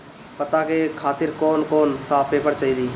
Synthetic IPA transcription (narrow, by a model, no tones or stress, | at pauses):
pət̪akekʰaːt̪iɾkɔːnkɔːnsaːpepəɾt͡ʃəili